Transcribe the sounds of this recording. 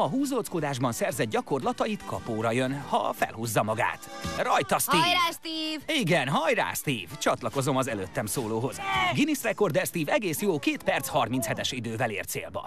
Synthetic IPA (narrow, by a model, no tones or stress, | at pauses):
ɒɦuːzo̞lskod̪aːʒbɒnsɛrzɛd̪̚ɟɒko̞rlɒt̪ɒjit̪kʰɒpoːɾɒjønhɒ̰fɛ̰lɦuːzːɒmɒɡa̰ːt̪rɒjt̪ɒsiast̪iːviɡɛnɦɒjra̰ːst̪iːvt͡ʃɒt̪lɒko̞zo̞mɒzɛløːt̪ːɛmsoːloːɦo̞zɡinisrɛko̞rd̪ɛrst̪iːvɛɡeːsjoːkeːt̪pɛrt̪shɒrmint̪shɛt̪ɛʃid̪øːvɛlḛːrt̪sḛːlbɒ̰